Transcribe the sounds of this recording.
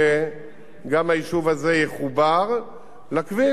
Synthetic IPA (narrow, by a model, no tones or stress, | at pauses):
e | ɡamhajiʃuvaze̞jeχubaʁ | lakvi